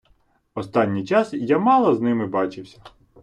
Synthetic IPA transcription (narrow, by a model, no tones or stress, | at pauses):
ɔst̪ɑnʲːijt͡ʃɑsjamɑlˠɐznɪmɪbɑt͡ʃɪwsʲɐ